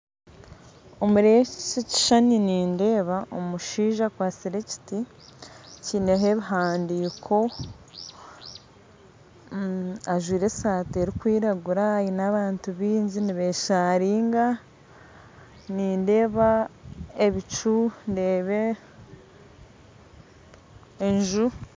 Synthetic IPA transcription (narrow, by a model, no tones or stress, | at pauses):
o̞muɾet͡ʃici̥ʃaniniːnde̞ːβaʔo̰muʃiːʒakwaːt͡siɾe̞ci̥ti | cine̞ɦe̞βiɦaːndiːkʰo̞ | aʒwiːɾe̞saːteɾikwiːɾaɡuɾajinaβaːntuβiːɲɟiniβe̞ʃaɾiːŋɡa | niːnde̞ːβa | eβit͡ʃunde̞ːβe̞ | ɲʒu